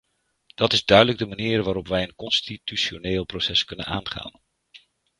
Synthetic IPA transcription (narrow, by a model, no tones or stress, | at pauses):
d̥ɑtɪzdœɥdələɡ̚dəmaniːrʋaːɾɔpʋɛjənkɔnstityʃoneːlˠprowsɛskɵnə̰na̰ːnχa̰ːn